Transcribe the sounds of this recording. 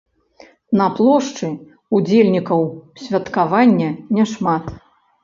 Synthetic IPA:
nɐplˠɔʂt͡ʂɨ | ud͡zʲelʲnʲikɐwsʲvʲɐt̪kavanʲːɐnʲɛʂmat̪

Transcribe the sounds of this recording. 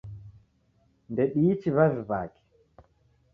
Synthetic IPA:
ndɛɗiːt͡ʃiβazba̰ːki̥

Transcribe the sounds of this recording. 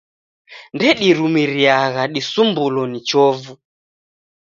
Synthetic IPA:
ndɛɗiɾumiɾiaɣaɗisumbulɔnit͡ʃɔvu

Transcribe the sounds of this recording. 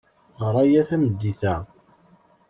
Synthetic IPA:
ɾˤɑjæθæmd̪ːiθæ

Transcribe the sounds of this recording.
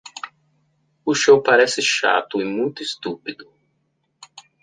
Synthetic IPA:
ʊʃowpaɾɛsɪʃa̰t̪ʊɪmũj̃t̪ʊɪst̪upid̪ʊ

